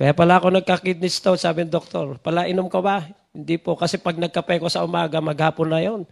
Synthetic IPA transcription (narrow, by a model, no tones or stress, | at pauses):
kɐjapɐlaʔɐko̞nɐɡ̚kɐkid̪̚nɪst̪osaːbɪnɪd̪ok̚t̪oɾpɐlaʔɪnomkɐba | hɪnd̪ipokɐsɛpɐɡ̚nɐɡ̚kɐpɛjkosɐʔʊmaːɡɐmɐɡhaːponːɐjon